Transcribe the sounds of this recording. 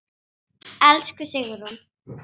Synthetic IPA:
ɛlskʏsɪɣʏɾʊn

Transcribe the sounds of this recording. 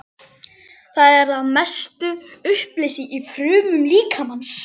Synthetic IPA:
θaðɛɾðaðmɛst̪ʏʏhplɪjsiʔifɾʏːmʏmliːkʰamans

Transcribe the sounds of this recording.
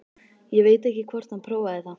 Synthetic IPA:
jɛɣveːjt̪ɛhcɪkʰvɔɾ̥t̪hanpʰɾoːwaðɪθa

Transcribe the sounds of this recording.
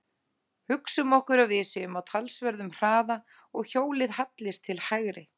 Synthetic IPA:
hʏksʏmɔhkʏɾavvɪːsɪʏmawt̪ʰalsvɛɾðʏmr̥aːða | ɔɣçoːwlɪðhat̪lɪst̪ʰɪlhaɣɾɪ

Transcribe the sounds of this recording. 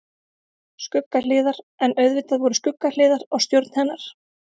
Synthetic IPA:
skʏkːal̥ɪːðaɾ | ɛnœɥðvɪt̪aðvɔɾʏskʏkːalɪːðaɾaɣst̪jowɾt̪nhɛnːaɾ̥

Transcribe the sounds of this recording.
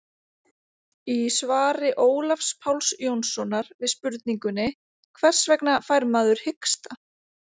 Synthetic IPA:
isvaːɾɪʔoːwlafspʰawlsjownsɔnaɾvɪðspʏɾt̪̚niŋkʏnɪ | kʰvɛr̥svɛknafajɾmaːðʏɾ̥hɪkst̪a

